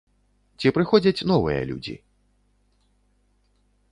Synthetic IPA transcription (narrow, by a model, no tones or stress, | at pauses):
t͡sʲipɾɨxɔd͡zʲɐt͡sʲnɔvɨjɐ̰lʲṵd͡zʲḭ